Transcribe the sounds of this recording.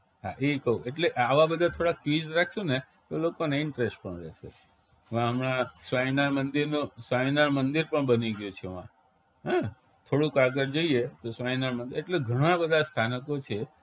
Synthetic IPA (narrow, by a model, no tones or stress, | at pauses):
ɦa̰ʔekəũeʈleʔaʋãbəd̪ʱãt̪ʰoɽakid͡ʒɾakʰʃũne | t̪olokoneɪɳʈɾesʈ̚pəɳɾɛ̰ʃḛ | ʋãəmɾãsʋainaɾmənd̪iɾnũsʋainaɾmənd̪iɾpəɳbəniɡjũt͡ʃʰeʋã | ɦã | t̪ʰoɽũkaɡəɾd͡ʒoiet̪osʋainaɾmənd̪iɾeʈleɡʱəɽ̃ãbəd̪ʱast̪ʰanəkot͡ʃʰe